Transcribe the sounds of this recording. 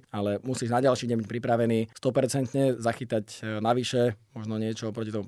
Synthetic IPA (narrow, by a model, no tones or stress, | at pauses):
alɛmusiːʒnaɟalʃiːɲɛmbic̚pɾipɾaʋɛniːst̪ɔpɛɾt͡sɛnt̪ɲɛzaxit̪aɟnaʋiʃɛmɔʒnɔɲɪɛt͡ʃɔpɾɔcit̪ɔmu